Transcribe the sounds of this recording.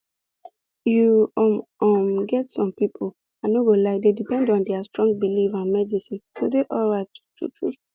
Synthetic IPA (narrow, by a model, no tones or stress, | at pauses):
juɔmɔmɡɛtsɔ̃mpipʰol | anoɡolaɪdedipɛ̃ndɔ̃ndɛastɹɔ̃ŋɡ̚bilivãnmɛdisĩntodeʔɔlɹaɪttʰṵtʰɹṵ